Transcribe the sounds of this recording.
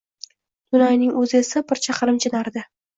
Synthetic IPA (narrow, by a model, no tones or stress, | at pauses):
d̪̥ʊnɒjnɪŋɵzɪe̞sabɪɾt͡ʃʰaqɾɪmt͡ʃʰɪnaɾd̪ɪ